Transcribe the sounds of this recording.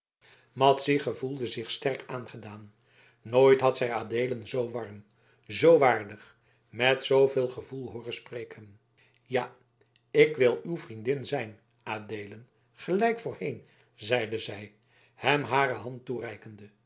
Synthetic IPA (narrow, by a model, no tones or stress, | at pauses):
mɑtsiχəvulˠdəzɪχstɛɹkaːnχədaːnː | oːjtɦɑtsɛjaːdejlənzowʋɑɹm | zowʋaːɹdəχ | mɛtsowvɪːlˠχəvulˠɦʊːrəsprejkʰən | jaː | ɪkʋɪlˠywvrindɪnzɛjn | ʔaːdejlən | χəlɛjkfʊːɹhejn | zɛjdəzɛj | hɛmɦaːrəɦɑnturɛjkəndə